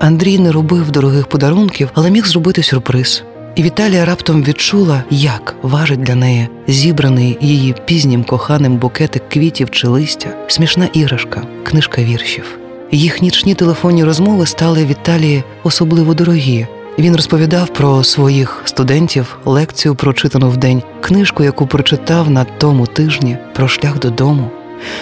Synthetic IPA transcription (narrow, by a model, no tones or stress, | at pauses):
ɐnd̪ɾʲijnɛɾɔbɪwd̪ɔɾʊɦɪxpɔd̪ɐɾunkʲiwɐlˠɛmʲixzrɔbɪt̪ɪsʲʊrpɾɪz̥ | iʋʲit̪ɑlʲijɐɾɑpt̪ɐmʋʲid̪t͡ʃulˠɐjɐkʋɑʒɪt̚ʲdlʲɐnɛjɛ | zʲibɾɐnɪjjijipʲizʲnʲimkɔxɑnɪmbʊkɛt̪ɪkːʋʲitʲiwt͡ʃɪlˠɪsʲtʲɐsʲmʲiʃnɑʔiɦɾɐʃkɐknɪʃkɐʋʲirʃʲiw | jixnʲit͡ʃnʲit̪elˠefɔnʲːiɾɔzmɔʋɪst̪ɑlˠɪʋʲit̪ɑlʲiji | ɔsɔblˠɪʋɔd̪ɔɾɔɦʲi | ʋʲinrɔspɔʋʲid̪ɑwpɾɔsʋɔjixst̪ʊd̪ɛnʲtʲiw | lˠɛkt͡sʲijʊpɾɔt͡ʃɪt̪ɐnʊwd̪ɛnʲ | knɪʃkʊjɐkupɾɔt͡ʃɪt̪ɑwnɐt̪ɔmʊt̪ɪʒnʲipɾɔʃlʲaɣd̪ɔd̪ɔmʊ